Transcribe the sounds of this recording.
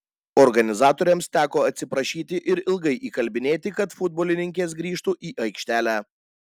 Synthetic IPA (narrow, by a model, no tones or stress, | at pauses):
ɔɾɡɐnʲɪzɑːt̪oːɾʲɛmst̪ʲæːkoːɐt̪ʲsʲɪpɾɐʃʲiːt̪ʲɪʔɪɾɪlˠɡɐɪʔiːkɐlʲbʲɪnʲeːt̪ʲɪkɐt̪fʊd̪̚boːlʲɪnʲɪŋʲkʲeːs̬ɡɾʲiːʃt̪uʔiːʔɐɪkʃʲt̪ʲæːlʲæː